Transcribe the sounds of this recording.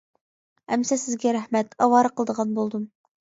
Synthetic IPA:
ɛmsɛsɪzɡʲɛɾæhmɛt̪ɑwɑːɾɑqʰəlˠəd̪əʁɑnbolˠd̪um

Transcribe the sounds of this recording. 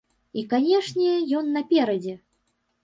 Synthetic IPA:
ikanʲɛʂnʲɛjɔnːɐpʲɛɾɐd͡zʲɛ

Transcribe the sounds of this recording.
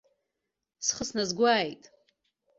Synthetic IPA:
sχəsnazɡʷaːjtʼ

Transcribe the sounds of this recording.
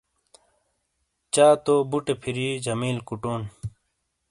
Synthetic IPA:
t͡ɕaːt̪oːbuʈepʰiɾiːd͡ʑɐmiːlkuʈoːn

